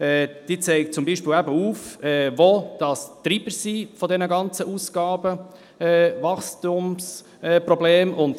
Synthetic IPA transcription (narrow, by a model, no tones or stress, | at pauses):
ɛːd̥iːt͡sɛɪk̚t͡sʊmbiːʃpɪːlæbəuːfɛːvod̥ɑstɾiːb̥əsifɔdɛnəɡɑnt͡səʔuːsɡ̥ɑːbə | ɛːvɑχstʊms | ɛːprɔbleːmʔʊnd̥